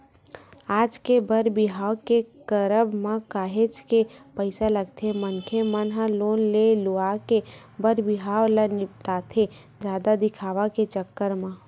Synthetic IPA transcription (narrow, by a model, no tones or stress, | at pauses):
aːd͡ʒkebəɾbɪɦaːwkekəɾəbmãkaːɦet͡ʃkepəɪsaləɡt̪ʰemənkʰemənɦəloːnleluake | bəɾbiɦaːwlənɪpʈaːt̪ʰe | d͡ʒaːd̪ad̪ɪkʰaːʋaket͡ʃəkːəɾmã